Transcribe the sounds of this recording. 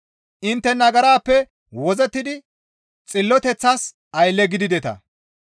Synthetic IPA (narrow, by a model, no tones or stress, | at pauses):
ʔɪnt̪ːɛnɐɡɐɾaːpːɛ | wɔzɛt̪ːɪd̪ɪ | t͡sʼɪlːɔt̪ɛt͡sːaːs | ɐjlːɛɡɪd̪ɪd̪ɛt̪ɐ̰